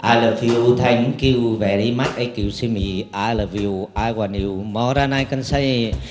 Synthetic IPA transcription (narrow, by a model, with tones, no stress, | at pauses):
ʔa˧˩lə˨˩vi˧wt̪ʰa˧jŋki˧wvɛ˨ɾi˧˦ma˦˥k̚ʔə˧jki˨˩˨wsi˧mi˨˦ʔa˧lə˨vi˧˨wʔa˧jɣwa˨˩ni˨˩˨wmɔ˧ɾa˧na˧jkə˧nsa˧˦j